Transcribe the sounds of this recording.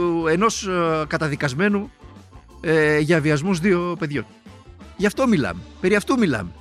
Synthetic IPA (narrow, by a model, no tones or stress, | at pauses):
e̞no̞skɐt̪ɐðikɐzme̞nu | eʝɐviɐzmuzðio̞pe̞ðʝo̞̰nʝɐft̪o̞milɐ̰mepe̞ɾiɐft̪umilɐ̰me